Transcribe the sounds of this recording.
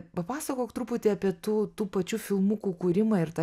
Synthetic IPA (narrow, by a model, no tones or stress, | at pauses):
pɐpɑːsɐkoːkt̪ɾuːpʊt̪ʲɪɐpʲiɛt̪uːt̪uːpɐt͡ʃʲuːfʲɪlˠmʊkuːkuːɾʲɪmɐɪɾt̪ɐ